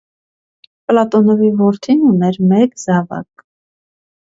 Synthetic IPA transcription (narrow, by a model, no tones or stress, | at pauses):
plɑt̪ɔnɔvivɔɾt̪ʰinunɛɾmɛkzɑvɑ̰k̚